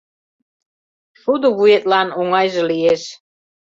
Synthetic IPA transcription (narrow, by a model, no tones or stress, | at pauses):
ʃud̪oβujet̪lɑnoŋɑjʒə̆lieʃ